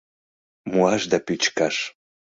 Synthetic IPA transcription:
muaʒd̪apit͡ʃkaʃ

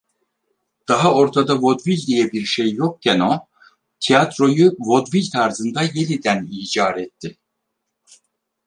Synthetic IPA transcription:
d̪̥aɦao̞ɾt̪ʰad̪avod̪vilʲd̪ijɛbiɾʃejːok̚cʰɛno | t̪ʰijat̪ɾo̞juvo̞d̪vilʲt̪ʰaɾzɯnd̪aje̞nʲid̪æniːd͡ʒaːɾɛt̪ʰːi

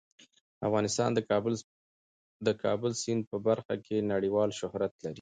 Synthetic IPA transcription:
a̰fɣɑnɪst̪ɑ̰nd̪ | d̪əkʰɑ̰bəlsɪn̚pəbaɾxakʰenaɽiwɑlʃʊhɾat̪laɾi

